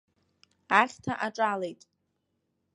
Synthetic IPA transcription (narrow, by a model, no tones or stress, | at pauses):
aχʲtʰaʔaʈ͡ʂʼalejtʼ